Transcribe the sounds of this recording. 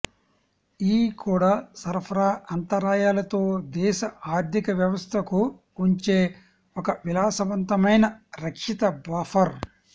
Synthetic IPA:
iːkuːɽaːsɐɾpʰɐɾaːɐnt̪ɐɾaːjaːlɐt̪o̞ːd̪ɛːʃɐaːɾt̪ʰikɐʋjɐʋɐst̪ʰɐku | uɲt͡ʃeː | ɔkɐʋilaːsɐʋɐnt̪ɐmɐjnɐɾɐkʂit̪ɐbaːfɐɾ

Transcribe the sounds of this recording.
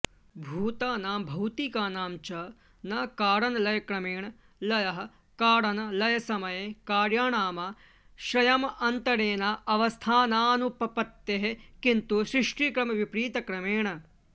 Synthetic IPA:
bʱuːt̪aːnaːmbʱɐwt̪ikaːnaːmt͡ʃɐ | nɐkaːɾɐnɐlɐjɐkɾɐmeːɳɐ | lɐjɐɦɐ̆ | kaːɽɐnɐlɐjɐsɐmɐjekaːɾjaːɳaːmɐ | ʃɾɐjɐmɐnt̪ɐɾeːnaːʔɐʋɐst̪ʰaːnaːnupɐpɐt̪ːeɦekint̪uʃɾiʂʈikɾɐmɐʋipɾiːt̪ɐkɾɐmeːɳɐ

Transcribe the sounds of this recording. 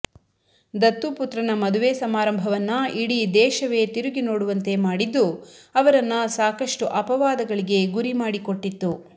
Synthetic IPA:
d̪ɐt̪ːuput̪ɾɐnɐmɐd̪uʋeːsɐmaːɾɐmbʱɐʋɐnːɐiɽid̪ɛːʃɐʋe̞t̪iɾuɡinoːɽuʋɐnt̪e̞maːɽid̪ːuɐʋɐɾɐnːɐsaːkɐʂʈuʔɐpɐʋaːd̪ɐɡɐɭiɡe̞ɡuɾimaːɽiko̞ʈːit̪ːu

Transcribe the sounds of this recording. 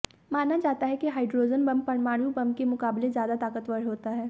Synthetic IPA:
maːnad͡ʒaːt̪aɦɛkiɦaːɪɖɾoːd͡ʒənbɐ̃mpɐɽ̃maːɽ̃jũbɐ̃mkemʊkaːblezjaːd̪at̪aːkət̪ʋəɽɦoːt̪aɦɛː

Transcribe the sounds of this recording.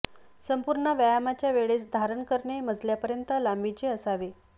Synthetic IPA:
səmpuɾɳəʋjəjamat͡ɕjaʋeɭesd̪ʱaɾəɳkəɾɳeməd͡zljapəɾjənt̪əlambit͡ɕeəsaʋe

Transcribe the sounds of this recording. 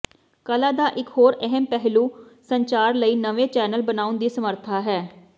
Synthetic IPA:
kəlaːd̪aːʔɪkhoːɾɛɦɛmpɛɦluːsəɲt͡ʃaːɾləiːnəʋeːt͡ʃɛːnəlbənaːʊnd̪iːsəməɾt̪ʰaːɦɛː

